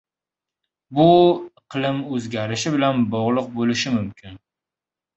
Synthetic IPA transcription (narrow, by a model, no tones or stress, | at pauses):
bʊqʰɨlˠɪmɵzɡʲaɾɪʃɪbɪlanbɒʁlˠʊq̚bolɪʃɪmʊmkʲʰɪn